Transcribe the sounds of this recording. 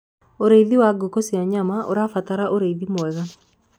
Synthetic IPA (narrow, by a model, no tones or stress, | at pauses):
oɾeiðiwaɡokosiaɲamaʔo̰ɾafat̪aɾaʔoɾeiðimwɛɣa